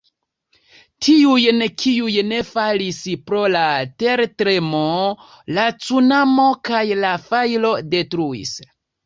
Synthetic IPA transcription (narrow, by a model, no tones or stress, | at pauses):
tʰiujnkʰiujne̞falispɾo̞late̞ɾtɾe̞mo̞ | lat͡sunamo̞kajlafajlo̞de̞tɾuḭs